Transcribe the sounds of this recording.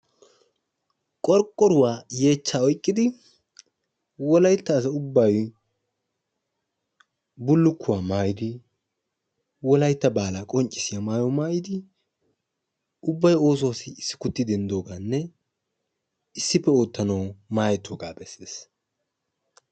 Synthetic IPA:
kʼɔɾkʼːɔɾʊwaːje̞ːt͡ʃːaːɔjkʼːɪd̪ɪ | wɔlɐjt̪ːɐːs̬ɐʊbːɐj | bʊlːʊkːʊwaːmaːjɪd̪ɪ | wɔlɐjt̪ːɐbaːlakʼɔnt͡ʃʼːɪsɪjamaːjɔmaːjɪd̪ɪ | ʊbːɐjo̞ːswasɪːsːɪ̥kʊt̪ːɪd̪ɛnd̪o̞ːɡaːnːɛ | ɪsːɪpːɛoːt̪ːɐnɐwmaːjɛt̪ːoːɡaːbɛsːeːs

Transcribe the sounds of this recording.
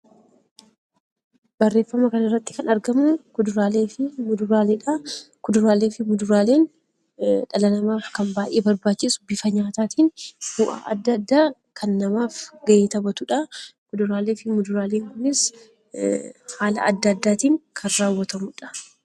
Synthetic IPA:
bɐrːe̞ːfːɐmɐkɐnɪrːɐt̪ːɪ̥kɐnɐɾɡɐmʊkʊd̪ʊɾaːleːfɪmʊd̪ʊɾaːleːᶑɐkʊd̪ʊɾaːleːfɪmʊd̪ʊɾaːleːn | ᶑɐlɐnɐmaːfkɐmbaːʔeːbɐɾbaːt͡ʃːɪsʊbɪfɐɲaːt̪aːt̪iːnb̥ʊʔa̰ːʔɐ̰d̪ːɐd̪ːaː | kʰɐnːɐmaːfɡɐʔeːt̪ɐbɐt̪ʊᶑɐkʊd̪ʊɾaːle̞ːfɪmʊd̪ʊɾaːleːŋkʊnɪs | haːlɐ̰ɐd̪ːɐd̪ːaːt̪iːŋkʰɐnɾaːwːɐt̪ɐmʊᶑɐ̥

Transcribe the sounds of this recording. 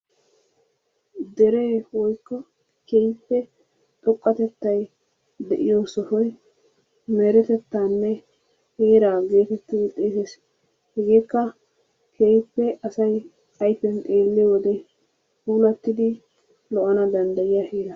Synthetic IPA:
d̪ɛɾe̞ːwɔjkːɔ | kejpːɛ | t̪ʼɔkʼːɐt̪ɛt̪ːɐj | d̪ɛʔɪjoːsɔfɔj | meɾɛt̪ɛt̪ːaːnːɛ | heːɾaːɡe̞ːt̪ɛt̪ːɪd̪ɪt̪ʼeːt̪es | hɛɡeːkːɐ | kʰejpːɛʔɐsɐj | ɐjpːɛnt̪ʼe̞ːlːɪjwɔd̪ɛ | huːlɐt̪ːɪd̪ɪ | lɔʔɐnɐd̪ɐnd̪ɐjɪjaheːɾɐ

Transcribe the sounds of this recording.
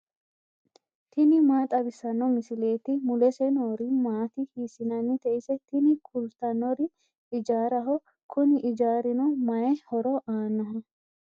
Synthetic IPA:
t̪ɪnɪmaːt̪ʼɐbɪsɐnːɔmɪsɪle̞ːt̪ɪmʊlɛsɛnoːɾɪmaːt̪ɪhiːsɪnɐnːɪt̪ɛʔɪsɛt̪ɪnɪkʰʊlt̪ɐnːɔɾɪ | ɪd͡ʒaːɾɐɦɔ | kʰʊnɪʔɪd͡ʒaːɾɪnɔmɐjɛhɔɾɔʔaːnːɐɦɐ

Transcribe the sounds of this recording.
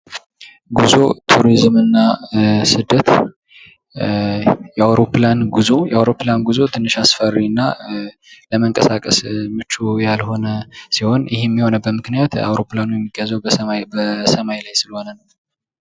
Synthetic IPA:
ɡuzo̞̰t̪ʰuɾizmɨnːasɨd̪ːət̪ | jɛawɾo̞planɡuzojɛawɾo̞pːlanɡuzo̞t̪ʰɨnːɨʃasfərːiɨnːa | ləməŋkʼəsakʼəsmɨt͡ʃːujalho̞nəsiho̞njɪhɛmːiho̞nəbːət̪mɨknijat̪a̰wɾo̞planujɛmːiɡəzəwbəbəsəmajlajsɨlho̞nən

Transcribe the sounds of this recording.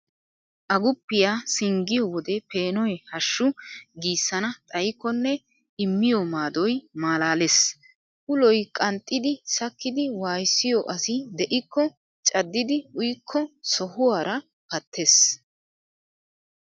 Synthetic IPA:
ʔɐɡʊpːɪjaːsɪŋɡɪjɔwɔd̪ɛpeːnɔjɛhɐʃːʊɡiːsːɐnɐt̪ʼɐjɪkːɔnːɛ | ɪmːɪjɔmaːd̪ɔjmaːlaːles | ʔʊlɔjkʼɐnt̪ʼːɪd̪ɪsɐkːɪd̪ɪwaːjsːɪjɔʔɐsɪd̪ɛʔɪkʰːɔ | t͡ʃʼɐd̪ːɪd̪ɪʊjkʰːɔsɔhʊwaːɾɐ | pɐt̪ʰːeːs

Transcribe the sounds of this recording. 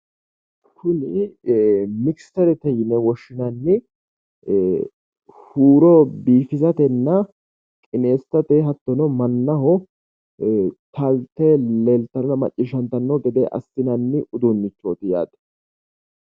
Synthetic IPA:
kʰʊnɪ | mɪkst̪ɐɾɛt̪ɛjɪnɛwɔʃːɪnɐnːɪ | huːɾɔbiːfɪzɐt̪ɛnːɐ | kʼɪneːst̪ːɐt̪eɦɐt̪ːɔnɔmɐnːɐɦɔ | t̪ɐlt̪ɛlelt̪ːɐɾnɐmɐ̰t͡ʃʼːɪʃɐnt̪ɐnːɔɡɛd̪ɛʔɐ̰sːɪnɐnːɪʔʊd̪ʊnːɪt͡ʃːoːt̪ɪja̰ːd̪ɛ̥

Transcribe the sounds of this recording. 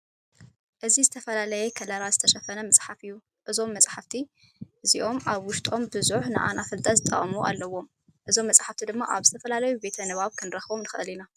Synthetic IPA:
ʔɨzizɨt̪ʰɐfɐlalɐjekʰɐlɐɾazɨt̪ʰɐʃɐfɐnɐmɐt͡sʼħafɨjːu | ʔɨzo̞mːɐsʼħaft̪ʰi | ʔɨziʔo̞mʔaβwʊʃt̪ʼo̞mbɨzuħnɨ̰ʔa̰nʔafɨld̪ʼazɨt̪ʼːɐ̰muʔa̰lːɐwːo̞m | ʔɨzo̞mːɐt͡sʼħaft̪ʰid̪ɨmːaʔaβzɨt̪ʰɐfɐlalɐjube̞t̪ʰɐnɨβaβkʰɨnɾɐxβomnɨxɐ̰lina

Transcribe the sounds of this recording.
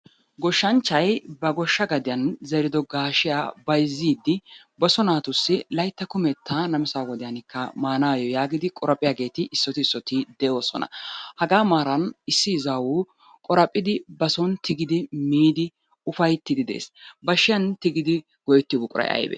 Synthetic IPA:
ɡɔʃːɐnt͡ʃːɐjbɐɡɔʃːɐɡɐd̪ɪjɐnzɛɾɪd̪ɔɡaːʃɪjaːbɐjzːiːd̪ːɪ | bɔsɔnaːt̪ʊsːɪlɐjt̪ːɐkʊmɛt̪ːaːnɐmɪsaːwɔd̪ɪjɐnɪkːɐmaːnaːjɔjaːɡɪd̪ɪkʼɔɾɐpʼɪjaɡe̞ːt̪ɪʔɪsːɔt̪ɪsːɔt̪ɪd̪ɛʔoːsɔ̰nɐ̰hɐɡaːmaːɾɐnɪsːɪːzawu | kʼɔɾɐpʼːɪd̪ɪbɐsɔnt̪ɪɡɪd̪ɪmiːd̪ɪ | ʊfɐjt̪ːɪd̪ɪd̪ḛːsbɐʃːɪjɐnt̪ɪɡɪd̪ɪ | ɡ̥ɔjt̪ːɪbʊkʼʊɾʔɐ̰jʔɐ̰jbɛ̰

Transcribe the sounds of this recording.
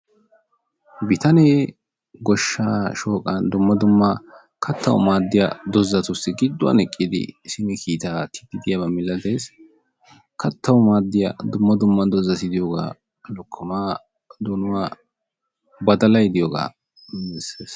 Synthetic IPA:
bɪt̪ɐne | ɡɔʃːaːʃo̞ːkʼːɐnd̪ʊmːɐd̪ʊmːɐ | kʰɐt̪ʰːɐwʊ̰maːd̪ːɪja̰d̪ɔzːɐt̪ʊst̪ɪɡɪd̪ːʊwɐ̰nɛkʼːid̪ɪ̰sɪnɪkʰiːt̪aːt̪ɪ̥d̪ɪd̪ɪjɐbɐmɪlːɐd̪e̞ːs | kʰɐt̪ːɐwʊmaːd̪ːɪja̰d̪ʊmːɐd̪ʊmːɐd̪ɔzːɐsɪd̪ɪjoːɡa̰ː | lɔkʰːɔmaː | d̪ɔnʊwaː | bɐd̪ɐlɐjɪd̪ɪjoɡa̰ː | mɪsːeːs

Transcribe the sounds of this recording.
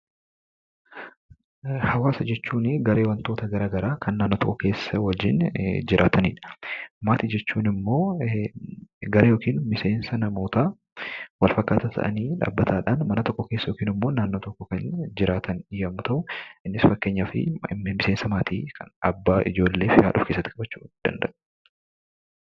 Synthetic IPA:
hɐwaːsɐd͡ʒɛt͡ʃːuːnɪɡɐɾe̞ːwɐnt̪o̞ːt̪ɐɡɐɾaːɡɐɾaːkʰɐnːaːnːoːt̪ɔ̰kʼːɔke̞ːsːɐwɐd͡ʒːɪnd͡ʒɪɾʔaːt̪ʰɐnḭːᶑɐ̥maːt̪iːd͡ʒɛt͡ʃːuːnɪmːo̞ː | ɡɐɾɐjo̞ːkiːnmɪse̞ːnsɐnɐmo̞ːt̪aː | wɐlfɐkːaːt̪ɐt̪ʰɐ̰ʔɐ̰niːᶑa̰ːbːɐt̪ʰaːᶑanmɐnɐt̪ɔkːɔke̞ːsːɐjoːkiːnɪmːo̞ːnaːnːoːt̪ɔkːɔkɐnd͡ʒɪɾaːt̪ʰɐnɪjɐmːʊt̪ɐʔʊʔɪnːɪsfɐkːe̞ːɲːɐfɪ̰mɪse̞ːnsɐmaːt̪ʰiːkʰɐ̰nɐbːaːʔɪ̰d͡ʒo̞ːlːe̞ːfɪha̰ːᶑʊ̰fke̞sːɐt̪ːɪkʼɐbɐt͡ʃːṵːd̪̥ɐ̰nd̪ɐʔ

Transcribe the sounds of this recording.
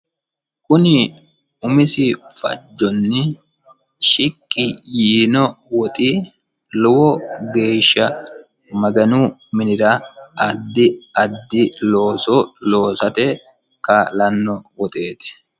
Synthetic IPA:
kʊnɪ | ʊmɪsɪfɐ̰d͡ʒːɔnːɪ | ʃɪkʼːɪjiːnɔwɔt̪ʼiː | lʊwɔɡe̞ːʃːɐ | mɐɡɐnuːmɪnɪɾaɐd̪ːɪɐd̪ːɪloːsoloːsɐt̪eː | kalɐnːɔwɔt̪ʼe̞ːt̪ɪ̥

